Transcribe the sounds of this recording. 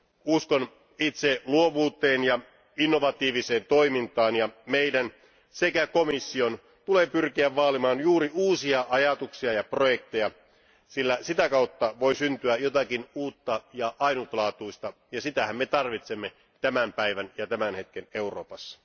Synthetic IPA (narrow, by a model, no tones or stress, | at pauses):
uskon | it̪seluoʋuːt̪ːˑeːnjɑ | inːo̞ʋɑt̪iːʋiseːnt̪o̞imint̪ɑːnjɑmeidæn | sekækomisːio̞n | t̪uleːpyrkiæʋʋɑːlimɑːnjuːɾiuːsiɑʔɑjɑt̪uksiɑjɑprojek̚t̪ejɑ | silːæsit̪ækɑut̪ːɑʋo̞isynt̪yæjot̪ɑkinuːt̪ːɑjɑʔɑinut̪lɑːt̪uist̪ɑ | jɑsit̪æhæmːet̪ɑrʋit̪semːe | t̪æmæmpæiʋænjɑt̪æmænhe̞t̪̚keneuro̰ːpɑsːɑ̥